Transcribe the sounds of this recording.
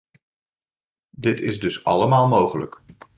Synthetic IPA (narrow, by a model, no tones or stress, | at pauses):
dɪtɪzdɵsɑ̰ləmaːlˠmowχələ̰k